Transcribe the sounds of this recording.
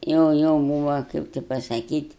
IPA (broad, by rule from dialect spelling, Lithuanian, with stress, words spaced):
ˈjɛʊ ˈjɛʊ ˈbuːʋɐ ˈkɐɪp tʲɪ pɐsɐˈkʲiːtʲ